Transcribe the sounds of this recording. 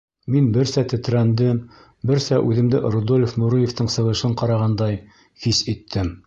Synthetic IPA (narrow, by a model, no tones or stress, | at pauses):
minbɘ̆ɾsæt̪ɘ̆t̪ɾænd̪ɘm | bɘɾsæʔʉðɘ̆md̪ɘʔɾŏd̪olʲefnuɾɤjeft̪ɤɴsɤ̆ʁɤ̆ʃɤɴqɑɾɑʁɑnd̪ɑj | hisit̪ʰːɘm